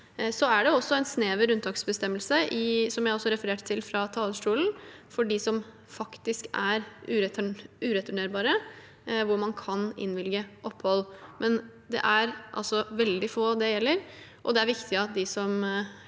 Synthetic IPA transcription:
sɔæɖɛɔsːɔɛɪnsneːʋəɾʉnt̪ʰɑksbəst̪ɛmːəlsəʔɪsɔmjæɪɔsːɔɾɛfəɾeːʈt̪ʰɪlfɾɑt̪ʰɑːləʂʈuːln̩fɔɖɪsɔm | fɑkt̪ɪskæɾʉːɾɛʉːɾɛt̪ʰʉɳeːɾbɑːɾə | ʋʊɾmɑnkʰɑnɪ̰nʋɪlɡəʔɔpːhɔlːmʔɛn | d̪ɛ̰ʔæɾʔɑ̰lsɔʋɛld̪ɪfoːd̪ɛjɛlːəɾ | ʔɔd̪ɛæɾʋɪkt̪ɪɑt̪̚d̪ɪsɔm

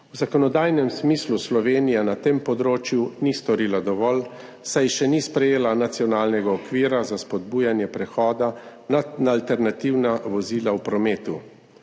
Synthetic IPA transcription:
wzakɔnɔd̪ajnɛmsmisluslɔʋeːnijanat̪empɔd̪ɾoːt͡ʃjunist̪ɔɾiːlad̪ɔʋɔl | sajʃɛnispɾɛjeːlanat̪sijɔnaːlnɛɡaɔkʋiːɾazaspɔd̪buːjanjɛpɾɛxɔːd̪ananalt̪ɛɾnat̪iwnaʋɔziːlawpɾɔmeːt̪u

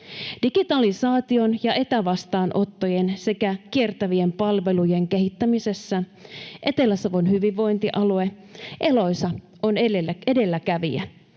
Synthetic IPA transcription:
d̥iɡ̥it̪ɑlisɑːt̪io̞njɑʔe̞t̪æʋɑst̪ɑːnʔo̞t̪ːo̞je̞nse̞kæk̟ie̞rt̪æʋie̞mpɑlʋe̞luje̞ŋke̞ɦit̪ːæmise̞sːæ | ʔe̞t̪e̞lːæsɑʋonɦyʋiʋːo̞jnt̪iʔɑlue̞ | ʔe̞lo̞jsɑ | o̞nee̞de̞lːækæʋiæ̰

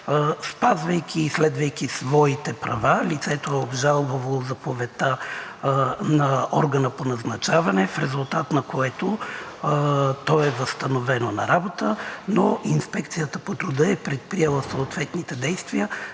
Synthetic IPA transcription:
spazvəjkʰʲiːslɛd̪vəjkʲisvɔit̪ɛpɾɐvalit̪sɛt̪oɛobʒalˠbəvɐlˠozɐpovɛt̪ə | nɐɔɾɡɐnəponɐznɐt͡ʃavɐnɛfɾɛzʊlˠt̪at̪nɐkoɛt̪o | t̪ɔɛvɐst̪ɐnovɛnonɐ̰ɾabot̪ənoʔinspɛkt̪sijət̪əpot̪ɾʊd̪əɛpɾɛt̪̚pɾiɛlˠəsoːt̪vɛt̪nit̪ɛd̪ɛjst̪viə

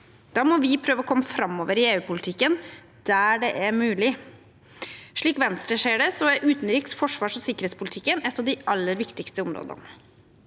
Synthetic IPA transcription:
d̪̥ɑːmɔʋɪpʰɾøːʋəɔkʰɔmːəfɾɑmːoːʋəɾɪeːʉːpʊlɪt̪ʰɪkːən | d̪̥æɖɛʔæɾmʉːlɪ | ʂɭiːkʋɛnst̪ɾəʂeːɖɛsɔæɾʔʉːt̪nɾiːksfɔʂʋɑːʂɔsɪkəɾheːt̪spʰʊlɪt̪ʰɪkːənɛt̪ːɑʋd̪ɪʔɑlːəɾʋɪkt̪ɪkst̪əɔmɾo̰ːd̪ə̰n

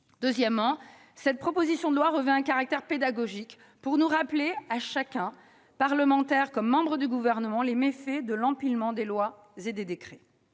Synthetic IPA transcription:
d̪̥øzjɛmːɑ̃ | sɛt̪̚pχɔpozisjɔ̃d̪əlwaʁəvɛ̃ɛ̃kaʁak̚t̪ɛʁped̪aɡɔʒik | puʁnuʁapleaʃakʲɛ̃ | paʁləmɑ̃t̪ɛʁkɔmːɑ̃bʁəd̪yɡuvɛʁnəmɑ̃lemefed̪əlɑ̃pilmɑ̃d̪elwa | zed̪ed̪ekχɛ

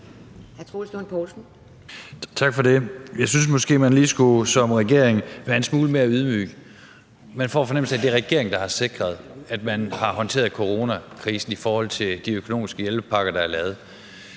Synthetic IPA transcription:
hæɐt͡sʰʁoːlsd̥onpʰɔlsn̩ | t͡sʰɑ̈ɡ̥fɒ̽de̝jɑ̈ɪsyns̬mɒ̽sɡ̥e̝̰ːmænliːsɡ̥usɒ̽mʁɛɡ̥e̝̰ɐ̰eŋʋæɐe̝nsmuːləme̝ːɐyðˠmy̰ː | mænfɒ̰ːfɒ̽neml̩sæd̥e̝ʁɛɡ̥e̝ɐ̰e̝ŋd̥ɑ̈hɑ̈se̝ɡ̥ʁɐð̞̩ˠæd̥mænhɑ̈hɒ̽nt͡sʰe̝̰ːɐðˠkʰo̝ʁo̝ːnækʰʁiːsn̩ifɒːhɒ̽l̰t͡sʰe̝ld̥iøkʰo̝no̝ːmisɡ̥əjelb̥əpʰɑ̈ɡ̥ɐd̥ɑ̈æɐlɛːð̞̩ˠ

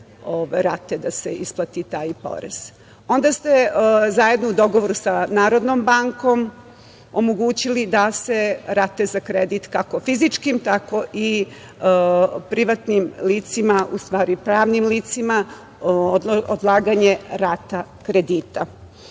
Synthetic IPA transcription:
oʋajɾat̪ed̪aseisplˠat̪it̪aːjpo̞̰ɾḛz̥ | o̞nd̪ast̪e̞zaje̞d̪noud̪o̞ɡoʋoɾusanaːɾo̞d̪nombaŋko̞m | o̞moɡuːt͡ɕilid̪ase̞ɾat̪e̞zakɾed̪it̪kako̞fizit͡ʂkimt̪ako̞ʔi | pɾiʋat̪nimliːt̪simaṵst̪ʋaːɾipɾaːʋnimliːt̪sima | od̪lˠaːɡaɲeɾat̪akɾed̪iːt̪a

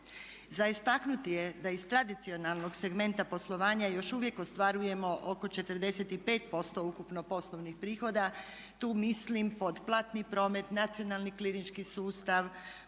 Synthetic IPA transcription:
zaist̪aknut̪ijed̪aizt̪ɾad̪it̪sio̞nalˠno̞ɡse̞ɡme̞nt̪apo̞slˠo̞ʋaːɲajo̞ʃuʋje̞kost̪ʋaɾuje̞mo̞ʔoko̞t͡ʃe̞t̪əɾd̪e̞set̪ipe̞ːt̪po̞st̪o̞ukupno̞po̞slˠoʋnixpɾiːxo̞d̪a | t̪uːmislimpo̞d̪plˠat̪nipɾo̞ːme̞t̪nat̪sio̞nalˠniklinit͡ʃkisuːst̪aʋ

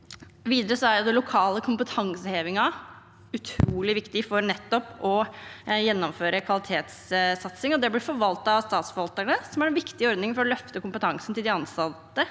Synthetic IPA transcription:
ʋiːd̪əɾəsɔæɾjʊd̪ɛlʊkʰɑːləkʰʊmpət̪ʰɑŋsəheːʋɪŋɑ | ʉt̪ʰɾuːlɪʋɪkt̪ɪfɔɾnɛt̪ːɔpɔjɛnːɔmføːɾəkʰʋɑlɪt̪ʰeːt̪ssɑt̪sɪŋɔd̪ɛblɪfɔɾʋɑlt̪ɑst̪ɑːt̪sfɔɾʋɑlt̪æɳəsɔmæɾɛnʋɪkt̪ɪɔɾd̪nɪŋfɔɾɔlœft̪əkʊmpət̪ʰɑŋsn̩t̪ɪld̪ɪɑnsɑt̪ːə

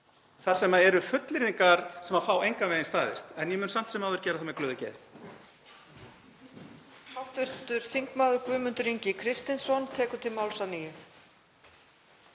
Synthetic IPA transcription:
θaɾ̥sɛmaɛɾʏfʏt̪lɪɾiŋkaɾ̥sɛmafaːwejŋkavɛːðɪnst̪aːðɪst̪ɛnjɛmʏnsam̥t̪sɛmaːwðʏɾcɛːɾaθamɛklœːðʏcɛ̰ːð | hawft̪vɪst̪ʏɾ̥θiŋkmaːðʏɾkvʏːmʏnt̪ʏɾiɲcɪkʰɾɪst̪ɪnsɔnt̪ʰɛːkʏ̥t̪ʰɪlmaːwlsanijʏ

